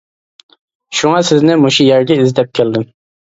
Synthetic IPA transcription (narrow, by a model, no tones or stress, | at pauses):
ʃuŋɑsɪznɪmoʃujɛɾɡʲɛizd̪ɛp̚kʲʰɛld̪ɪm